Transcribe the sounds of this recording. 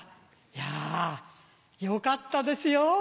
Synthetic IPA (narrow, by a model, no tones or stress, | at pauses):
ja | jokat̪ːad̪ɐsijo